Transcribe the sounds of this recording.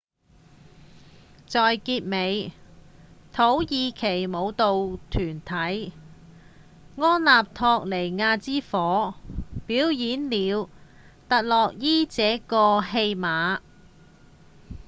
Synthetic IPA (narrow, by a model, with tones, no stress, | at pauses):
t͡sɔː˨jkiː˧t̚me˨˧j | t̪ʰo˨˥wjiː˧kʰe˨˩jmo˨˧wt̪o˨wt̪ʰyː˨˩nt̪ʰɐ˨˥j | ŋɔː˥nlaː˨p̚t̪ʰɔː˧k̚le˨˩jŋaː˧t͡siː˥fɔː˨˥piː˨˥wjiː˨˥nliː˨˧w | t̪ɐ˨t̚lɔː˨k̚jiː˥t͡sɛː˨˥kɔː˧ɦe˧jmaː˨˥